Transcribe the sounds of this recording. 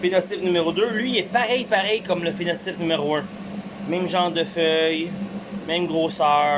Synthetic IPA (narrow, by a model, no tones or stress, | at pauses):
fenɔt͡sɪpnymeʁod̪ølɥiɛpaʁɛjpaʁɛjkɔmləfenɔsɪpnymeʁoɛ̃ | mɛ̃mʒɑ̃d̪əfœjmɛ̃mɡʁoːsœː